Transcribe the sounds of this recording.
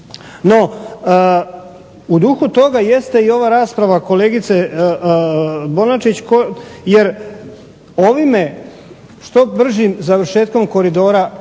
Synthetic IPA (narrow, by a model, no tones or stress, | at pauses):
no̞ | ud̪uxut̪o̞ɡaje̞st̪e̞io̞ʋaːɾaːspɾaʋako̞leːɡit̪se | bo̞nat͡ʃit͡ɕkojeɾ | o̞ʋime̞ | ʃt̪o̞br̩ʒimzaʋr̩ʃe̞ːt̪ko̞mko̞ɾid̪o̞ːɾa